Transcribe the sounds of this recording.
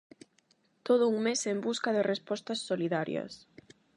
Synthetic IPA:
t̪oð̞ʊuŋmesembuskɐðɪrespɔst̪ɐsːoliðaɾjɐ̰s

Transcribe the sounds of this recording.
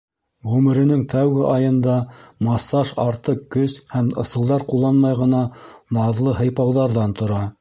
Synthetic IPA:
ʁʉmɘ̆ɾɘ̆nɘŋt̪æwɡɘʔɑjɤ̆nd̪ɑmɑsːɑʃɑɾt̪ɤqːɵshæmɤ̆sɤ̆lˠd̪ɑɾqulˠːɑnmɑjʁɤ̆nɑnɑðlˠɤɦɤ̆jpɑwðɑɾðɑnt̪ŏɾɑ

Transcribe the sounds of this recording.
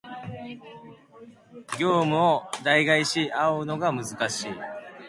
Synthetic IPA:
ɡʲo̞ːmɯ̟od̪aiɡaiɕiʔaoɯno̞ɡamɯ̟zɨkaɕiː

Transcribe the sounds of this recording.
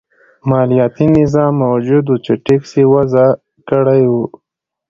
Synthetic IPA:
mɑːlijɑt̪inɪzɑmːawd͡ʒud̪ut͡ʃeʈiksewaza | kəɽajwu

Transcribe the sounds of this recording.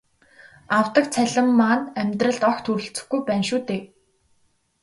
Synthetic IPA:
aw̥t̪ə̆k̚t͡sʰæɮʲə̆mːaːnæmʲt̪rə̆ɮt̪ɔxt̪ʰuɾɵ̆ɬt͡sɘ̆xɡujpæːnʃuːt̪eː

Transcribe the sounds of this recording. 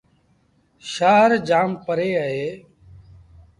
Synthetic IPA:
ʃaːɾd͡ʒaːmpəɾeːəɦeː

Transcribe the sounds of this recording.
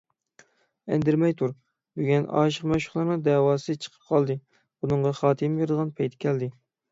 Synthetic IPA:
æ̰nd̪ɪɾmɛjt̪ʰuɾ | byɡʲɛnɑ̰ːʃəqmɛʃʊ̥χlˠɑɾnɨŋd̪ɛwɑːsɨt͡ʃʰə̥qʰə̥p̚qʰɑlˠd̪ɨ | bunɨɴʁɑχɑːt̪ʰɨmbeɾɪd̪əʁɑnpʰɛjt̪ʰɪ̥kʲʰɛld̪ɪ

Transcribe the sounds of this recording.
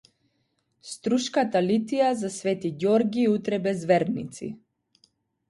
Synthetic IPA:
st̪ɾuʃkat̪alit̪ijazasvɛt̪iɟɔɾɡʲiut̪ɾɛbɛzvɛɾnḭt̪sḭ

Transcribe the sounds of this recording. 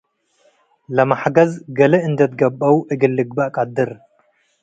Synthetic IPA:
lɐmaħɡɐzɡɐlɐɨnd̪ɐt̪ɡɐbʼɐwuʔɨɡɨlːɨɡbɐkʼɐd̪ɨɾ

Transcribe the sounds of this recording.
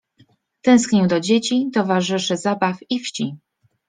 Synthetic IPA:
t̪ɛ̃skɲɛwd̪ɔd͡ʑet͡ɕit̪ɔvaʐɘʂɘzabafifɕt͡ɕi

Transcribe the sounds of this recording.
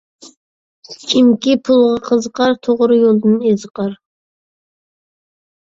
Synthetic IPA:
kʲʰimkʲipʰulˠʁɑqʰəzqɑɾt̪ʰoʁɾɨjolˠd̪ɨnezqɑɾ

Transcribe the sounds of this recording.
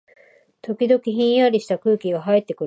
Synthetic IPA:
t̪o̞kʲid̪o̞kʲiçĩɰ̃jaɾʲiɕi̥t̪akɯ̟ːkʲiɡaɦait̪ːe̞kɯ̟

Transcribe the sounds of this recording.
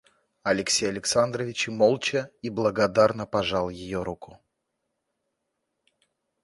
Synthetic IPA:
ɐlʲɪksʲejɐlʲɪksand̪ɾəvʲɪt͡ɕɪmolˠt͡ɕəiblˠəɡɐd̪arnəpɐʐalˠjɪjoɾukʊ̥

